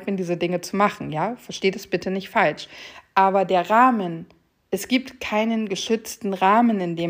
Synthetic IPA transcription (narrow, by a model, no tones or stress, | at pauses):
m̥ɪndiːzədɪŋət͡sumaχn̩jaːfɛɐʃteːdasb̥ɪtənɪçtfalʃʔaːbɐdeːɐʁaːmən | ʔɛsɡ̥iːp̚tkʰaɪnənɡəʃʏt͡stn̩ʁaːmənɪndeː